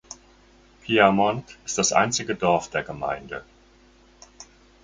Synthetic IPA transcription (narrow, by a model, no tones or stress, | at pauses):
pʰiamɔntɪst̚d̥asʔa̰ɪnt͡sɪɡədɔɐfd̥eːɐɡəma̰ɪndə